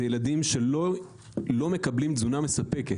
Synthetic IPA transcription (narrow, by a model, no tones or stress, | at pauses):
jelad̪imʃelo | lo̞me̞kɐblimzuname̞sape̞ke